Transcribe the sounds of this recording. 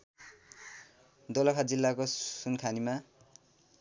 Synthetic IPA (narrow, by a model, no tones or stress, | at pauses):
d̪olapʰad͡zilːakosunkʰanima